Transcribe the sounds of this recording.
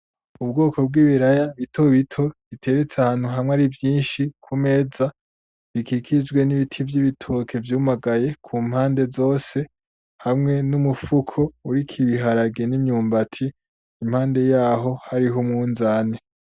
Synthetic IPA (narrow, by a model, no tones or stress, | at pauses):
ub̚ɡo̞ːko̞b̚ɡiːβiɾajaβitʰo̞βitʰo̞βitʰe̞ɾet͡seahaːn̥huɦamŋaɾivjiːnʃikʰume̞ːza | βikikʰid͡ʒɡwe̞niβitʰivjiβitʰo̞ːkʰe̞vjuːmaɡaje̞kʰuːm̥haːnde̞zo̞ːse̞ | hamŋe̞numufukʰo̞uɾikʰiβiɦaɾaɡenimɲuːmbatʰiː | m̥haːnde̞jaːɦo̞haɾiɦomŋuːnzaːne